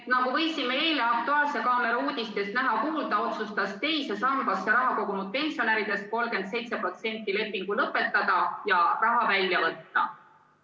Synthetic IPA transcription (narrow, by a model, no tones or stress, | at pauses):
et̪nɑɡuvɤ̞jsimeeːleɑk̚t̪uɑːlse̞kɑːme̞ɾuːd̪̥ʲist̪e̞st̪næɦɑkuːld̪̥ɑo̞t̪sust̪ɑst̪e̞jse̞sɑmb̥ɑsːeɾɑɦɑko̞ɡunud̪̚pe̞nʲsio̞neɾid̪e̞st̪̚ko̞lɡe̞nd̪se̞jt̪se̞pro̞t̪sie̞nʲt̪ːˑile̞pːˑiŋɡ̥ulɤpːˑe̞t̪ːˑɑd̪̥ɑjɑrɑɦɑvælʲjɑvɤ̞t̪ːɑ̰